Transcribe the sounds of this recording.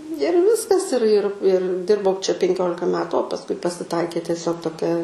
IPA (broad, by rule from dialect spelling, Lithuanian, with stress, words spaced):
ɪr ˈʋʲɪskɐs ɪr ɪr ɪr ˈdʲɪrbɐʊ t͡ʃʲɛ pʲɛŋʲˈkʲoːlʲɪkɐ ˈmʲæːtʊ oː pɐsˈkʊɪ pɐsʲɪˈtɐɪkʲeː tʲiɛˈsʲoːk toːˈkʲɛ